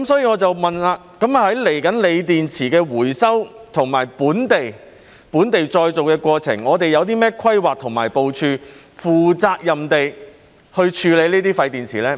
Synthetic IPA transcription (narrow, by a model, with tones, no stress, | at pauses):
kkɐ˦msɔː˨˥jiː˧ŋɔː˨˧t͡sɐ˨wmɐ˨nlaː˧kɐ˨˥ma˨hɐ˨˥jle˨˩jkɐ˨˥nle˨˧jt̪iː˨nt͡sʰiː˨˩kɛː˧wuː˨˩jsɐ˥wt̪ʰʊ˨˩ŋmaː˨˩jpuː˨˥nt̪e˨j | puː˨˥nt̪e˨jt͡ʃɔː˧jt͡so˨wkɛː˧kʷɔː˧t͡sʰɪ̰˨˩ŋɔː˨˧t̪e˨jɐ˨˧wt̪̬iː˥mɛː˥kʰɐ˥jwaː˨k̚t̪ʰʊ˨˩ŋmaː˨˩jpo˨wt͡ʃʰyː˧ | fuː˨˩t͡saː˧k̚jɐ˨mt̪e˨j | hɵ˧ɥt͡ʃʰyː˨˧le˨˧jniː˥t̪iː˥fɐ˨˧jt̪iː˨˩nt͡sʰiː˨˩lɛː˥